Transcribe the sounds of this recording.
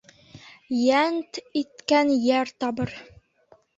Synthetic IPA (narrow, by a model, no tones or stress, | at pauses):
jænt̪it̪kænjæɾt̪ɒbɤɾ